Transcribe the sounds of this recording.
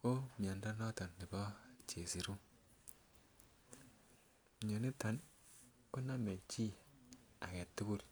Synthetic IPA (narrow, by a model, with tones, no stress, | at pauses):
ko˦˨ma˨nda˦no˦ta˨ndi˨bɔ˦t͡ʃe˨si˨ɾu˦˨ | ɲo˨ni˦ta˨n | ko˦na˦me˨t͡ʃi˦a̰˨ke˨tːi˦bu˦ɾ